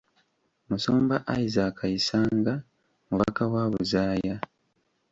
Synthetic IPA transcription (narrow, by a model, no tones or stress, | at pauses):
musoːmbaʔaizaːkʰajisaːŋɡa | muβa̰kawaːβuzaːja